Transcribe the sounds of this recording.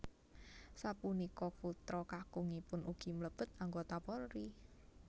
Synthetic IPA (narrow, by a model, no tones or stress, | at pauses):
sapunikɔput̪ɾɔkakuŋipʊnʔuɡ̥i̤mləb̥ə̤t̪̚aŋɡot̪apɔlɾi